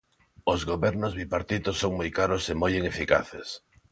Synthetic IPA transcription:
ozɣoβɛɾnozβipaɾt̪it̪osːoŋmojkaɾʊsemojeŋefika̰θes

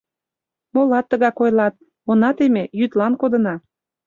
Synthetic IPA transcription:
molɑt̪ːə̆ɣɑkojlɑt̪̚ | onɑt̪emejyt̪lɑnkod̪ə̆nɑ

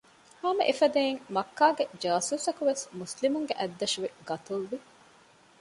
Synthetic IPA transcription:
haːmɐ̰ʔefɐd̪eːiŋmɐkːaːɡed͡ʒaːsuːsɐkuʋesmuslimuŋɡeʔɐd̪ːɐʃuʋeɡɐt̪ulʋi

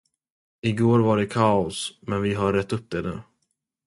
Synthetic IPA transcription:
ɪɡoːɾvaɖɛkʰaːʊsmɛnvɪɦaɾɛt̪ːɵp̚ːd̪ɛd̪ɛ̰

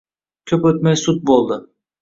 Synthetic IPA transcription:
cʲʰøpøt̪̚mɛjsut̪̚bolˠd̪a

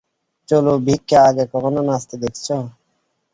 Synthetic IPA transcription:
t͡ʃolobʱikːeaɡekɔkɔnonast̪ed̪ekʰt͡ɕʰɔ

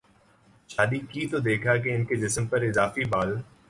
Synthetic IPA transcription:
ʃaːd̪ikit̪od̪eːkʰak̬eɪnked͡ʒɪsmpɐɾɪzaːfibaːl

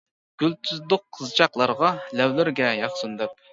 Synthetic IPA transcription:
ɡ̥ʲylt̪ʰyzd̪ʊqʰːəzt͡ʃʰɑqlˠɑɾʁɑlɛwlɪɾɡʲɛjɑχsund̪ɛp̚

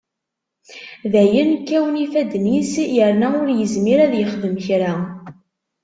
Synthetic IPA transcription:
ðæjənkːæwnifæd̪nisjəɾnæʊɾjəzmiɾæðjəχðəmçɾa

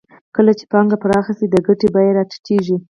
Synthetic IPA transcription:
kəlat͡ʃe̥pɑŋɡapəɾɑxasid̪əɡaʈebajeɾɑtḁkiʐi

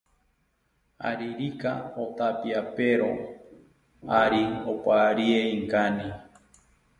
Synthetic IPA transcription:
a̰ɾiɾikaot̪apiapeɾo | aɾiopaːɾieiŋkani

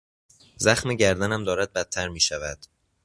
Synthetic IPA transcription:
zæxmeɟæɾd̪ænæmd̪ɒːɾæd̪̚bæt̪ʰːæɾmiːʃævæd̪̥

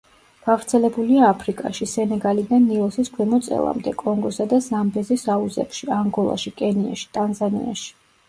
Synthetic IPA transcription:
ɡ̥avɾt̪sʰɛlɛbuliaːpʰɾikʼa̰ʃisɛnɛɡalid̪anːilˠɔsiskʰwɛmɔt̪sʼɛ̰lˠa̰md̪ɛkʼɔŋɡɔsad̪azambɛzisauzɛ̰pʃiaŋɡɔlˠa̰ʃikʼɛnia̰ʃi̥t̪ʼanzanḭa̰ʃi̥

